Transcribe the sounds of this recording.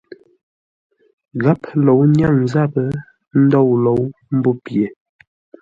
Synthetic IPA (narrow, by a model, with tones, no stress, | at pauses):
ɣa˦plo˨wɲja˦˨ŋn˨za˦˨pə˦ | n̩˦dɔ˦˨wlo˨˦wm̩˦bo˦pje˨